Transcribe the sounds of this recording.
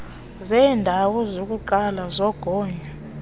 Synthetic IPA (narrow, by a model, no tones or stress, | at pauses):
zɛːndʱawɔzok̬ʼuǃalazɔɡ̥ʱɔːɲa